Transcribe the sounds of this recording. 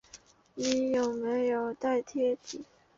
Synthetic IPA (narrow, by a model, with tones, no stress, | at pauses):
ni˧˨˥jo˨˩ʊme˧˥ɪjo˨˩ʊt̪a˥˩ɪt̪ʰjɛ˥t̪ḭ˨˦